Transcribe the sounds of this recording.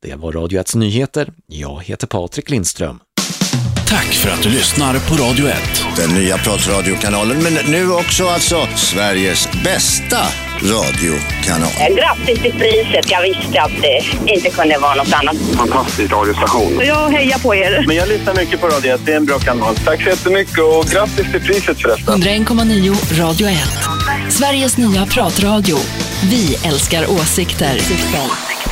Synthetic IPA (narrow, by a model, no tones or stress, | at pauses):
d̪̥ɛ̰vaɾːɑːd̪jʊɛt̪snyːheːt̪əɾjɑ̰ːɡhḛːt̪əɾpʰɑːt̪ɾɪklɪnst̪ɾœ̰m | t̪ʰakːfœɾa̰t̪̚d̪ɵlʏsnaɾpʰɔɾɑːd̪jʊɛ̰t̪ːd̪̥ɛnːyːapʰɾɑt̪ɾɑːd̪ɪʊkʰanɑːlənmɛnːʉ̟ːɔksɔalt̪sɔsvæɾjəsbɛst̪a | ɾɑ̰ːd̪ɪʊ | kʰanɑ̰ːlɡɾat̪ːɪst̪ɪpʰɾiːsət̪jɑɡvɪst̪əat̪̚d̪ɛɪnt̪əkʰɵnd̪əvɑːɾanɔt̪ːanːat̪fant̪ʰast̪ɪskɔɾɡanɪsaɧuːnjɑːɦɛjːapʰɔeːɾmɛnjɑːlyːt̪aɾmʏkːəpɔɾɑːd̪jʊɛt̪̚d̪ɛæɾɛnbɾɑːkʰanɑɔːnst̪ʰakːsɔjɛt̪ːəmʏkːəɔɡɾat̪ːɪst̪ɪlpʰɾiːsət̪fœɖɛt̪ːaɵnd̪ɾaɛnkʰɔmːaniːʊɾɑːd̪jʊɛt̪ːsvæɾjəsnyːapʰɾɑːt̪ɾɑːd̪ɪʊ | vɪɛlskaɾʔoːsɪkt̪əɾsɪt̪sɛlɛ